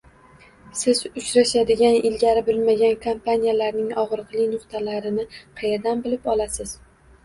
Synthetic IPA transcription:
sɪzʊt͡ʃɾaʃad̪ɪɡʲanɪlɡʲaɾɪbɪlmaɡʲankʰompʰanijalaɾnɪŋɒʁɾɨqlˠɪjnʊqt̪ʰalaɾɪnɪqʰejaɾd̪anbɪlɪpɒlasɪz̥

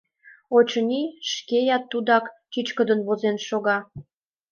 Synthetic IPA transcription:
ot͡ɕənʲiʃkejɑt̪ːud̪ɑkt͡ɕit͡ɕkəd̪ə̆nβozenʃoɣɑ

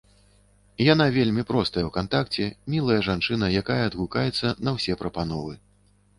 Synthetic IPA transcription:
janavʲelʲmʲipɾɔst̪ɐjɛwkant̪akt͡sʲɛmʲilˠɐjɐʐant͡ʂɨnɐjakajɐːd̪ɣukajɛt̪sːɐnɐwsʲɛpɾɐpanɔvɨ

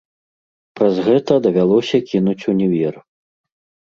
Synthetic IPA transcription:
pɾɐzɣɛt̪ɐd̪ɐvʲalˠɔsʲɐkʲinut͡sʲunʲɛvʲɛr

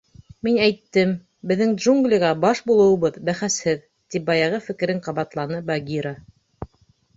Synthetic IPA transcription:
minæjt̪ːɘm | bɘ̆ðːɘŋd̪ʒuŋɡlʲiʁɑbɑʃbulˠɤ̆wɤ̆βɤðbæχæshɘð | t̪ip̚bɑjɑʁɤfɘ̆kɘ̆ɾɘŋqɑβɑt̪lˠɑnɤbɑɡʲiɾa

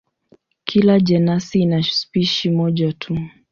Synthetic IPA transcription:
kʰilaʄɛnasiːnaʃu̥spiʃimɔʄatʰu

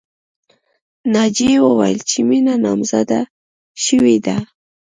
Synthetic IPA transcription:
nɑd͡ʒewəwa̰jlt͡ʃɪminanɑmzad̪a | ʃəwid̪a

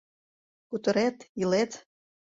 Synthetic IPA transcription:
kut̪ə̆ɾet̪jilet̪

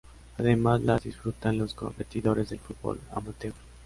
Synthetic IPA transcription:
aðemazlaðisfɾut̪anlosko̰mpet̪iðoɾezðelfut̪̚bo̰la̰mot̪ew

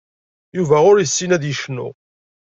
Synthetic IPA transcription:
juvæʊɾjəsːinæðjəʃnːṵ

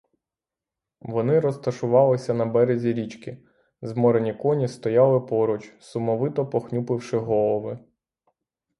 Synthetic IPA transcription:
ʋɔnɪɾɔst̪ɐʃʊʋɑlˠɪsʲɐnɐbɛɾezʲiɾʲit͡ʃkʲɪ | zmɔɾenʲikɔnʲist̪ɔjɑlˠɪpɔɾʊt͡ʃsʊmɔʋɪt̪ɔpɔxnʲupɪwʃɪɦɔlˠɔʋɪ

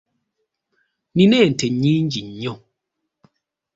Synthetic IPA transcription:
ninɛn̩tʰɛɲin̩d͡ʒiɲɲɔ

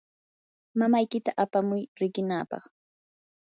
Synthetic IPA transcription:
mamajkɪt̪aʔapamʊjɾɪɢɪnaːpɑ̰χ

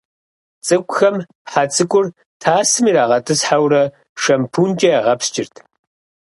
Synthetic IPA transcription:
t͡sʼɨkʷʼʊxɐmpħat͡sʼɨkʷʼʊr | tʰaːsɨmiːɾaːʁɐtʰɨsħawɾɐ | ʂɐmpʰunt͡ʃʼɐaʁɐpst͡ʃʼɪrtʰ

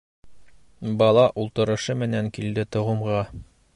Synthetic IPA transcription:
bɑlˠɑʔulˠt̪ɤ̆ɾɤ̆ʃɤmɘ̆næŋkild̪ɘt̪ɤ̆ʁɤ̆mʁɑ

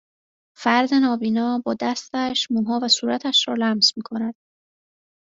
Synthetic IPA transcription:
fæɾd̪e̞nɒːbiːnɒːbɒːd̪æst̪æʃmuːɦɒːvæsuːɾæt̪ʰæʃɾɒːlæmzmiːkʰo̞næd̪̥

